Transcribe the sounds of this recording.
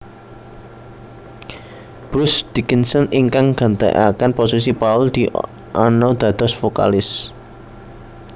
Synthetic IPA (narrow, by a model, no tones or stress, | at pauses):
b̥ɾʊsd̪̥ikinsəniŋkaŋɡ̥ä̤nt̪ḛʔa̰kanposis̬ipaʊld̪̥i | ʔanɔd̪̥ä̤d̪̥ɔ̤sfoka̰lɪs